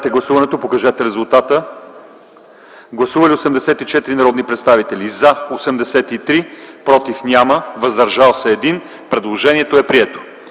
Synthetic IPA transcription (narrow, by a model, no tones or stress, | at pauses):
t̪ɛɡlˠɐsuvɐnɛt̪opokɐʒɛt̪ɛɾɛzulˠt̪at̪ə | ɡlˠɐsuvɐliosɛmd̪ɛsɛt̪it͡ʃɛt̪iɾinɐɾɔd̪nipɾɛt̪st̪avit̪ɛlʲizɐosɛmd̪ɛsɛt̪it̪ɾipɾɔt̪ifnʲaməvɐzd̪ɐɾʒalˠsɛːd̪in | pɾɛd̪lˠoʒɛniɛt̪oɛpɾiɛt̪o̥